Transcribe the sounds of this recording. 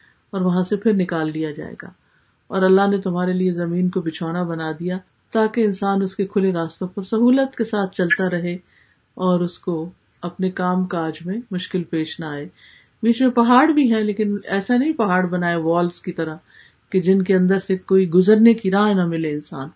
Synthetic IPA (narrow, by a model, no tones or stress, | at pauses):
ɔːɾʋɐɦãsepʰɪɾnɪkaːlːijad͡ʒa̰ːḛːɡa̰ː | ɔːɾɐlːaɦnet̪ʊmɦaːɾeliezɐmiːnkobɪt͡ʃʰaːnabɐnad̪ija | t̪aːkeɪnsaːnʊskekʰʊleɾaːst̪õpɐɾsɐɦuːlət̪kesaːt̪̚ʰt͡ʃɐlt̪aɾɐɦe | ɔːɾʊsko | ɐpnekaːmkaːd͡ʒmẽmʊʃkɪlpeːʃnaːeː | biːt͡ʃmẽpɐɦaːɽbʱiɦɛ̃leːkɪnɛːsanɐɦĩpɐɦaːɽbɐnaːeʋɔːlskit̪ɐɾəɦ | ked͡ʒɪnkeɐ̃nd̪əɾsekoːiɡʊzəɾnekiɾãːɦnamɪleɪnsaːn